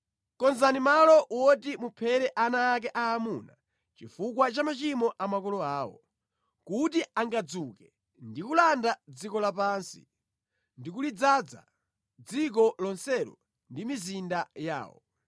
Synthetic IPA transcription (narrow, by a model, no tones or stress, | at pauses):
kɔnzanimalɔwɔtimupʰɛɾɛʔanaːk̬ɛʔaːmuna | t͡ʃifukwat͡ʃamat͡ʃimɔʔamakɔlɔaːwɔ̰ | kutiaŋɡad͡zukɛ | ndikulandad͡zikɔlapaːnsḭ | ndikulid͡zad͡za̰ | d͡zik̬ɔlɔnsɛlɔ̰ | ndimizindaja̰ːwɔ̰